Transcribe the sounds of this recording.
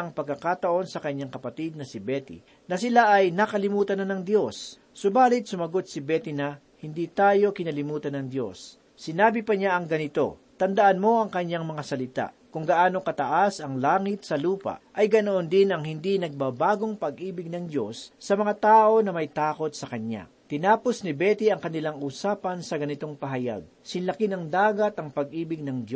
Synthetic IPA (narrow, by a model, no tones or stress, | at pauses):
ɐŋpɐɡ̚kːɐkaːt̪ɐʔo̞nsɐkɐɲːaŋkɐpɐt̪id̪̚nɐsɪbɛt̪ḭ | nɐsɪlaʔɐjnɐkɐlɪmuːt̪ɐnɐnɐŋd̪jo̞sː | ʊbaːlɪt̪̚sʊmɐɡo̞t̪̚sɪbɛt̪ɪnɐ | hɪnd̪it̪aːjo̞kɪnɐlɪmuːt̪ɐnɐŋd̪jo̞̰sː | ɪnaːbɪpɐɲaʔɐŋɡɐnɪt̪o̞ | t̪ɐnd̪ɐʔanmo̞ʔɐŋkɐɲːaŋmɐŋasɐlɪt̪a̰ʔkʊŋɡɐʔaːno̞kɐt̪ɐʔasɐŋlaːŋɪt̪̚sɐluːpa̰ʔʔɐjɡɐnoʔond̪ɪnɐŋhɪnd̪inɐɡ̚baːbaːɡo̞ŋpɐɡʔiːbɪɡ̚nɐŋd̪jo̞sːɐmɐŋat̪aːʔo̞nɐmɐjt̪aːko̞t̪̚sɐkɐɲa̰ | t̪ɪnaːpo̞snɪbɛːt̪iʔɐŋkɐnɪlaŋuːsaːpɐnsɐɡɐnɪt̪o̞ŋpɐɦɐja̰ɡ̚sɪnlɐkɪnɐŋd̪aːɡɐt̪ʔɐŋpɐɡʔiːbɪɡ̚nɐŋd̪jo